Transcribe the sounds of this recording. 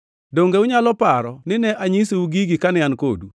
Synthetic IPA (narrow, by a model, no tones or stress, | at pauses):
doŋɡeʊɲalɔpaɾɔnɪnɛʔaɲisiuɡiɡikanɪanko̰dṵ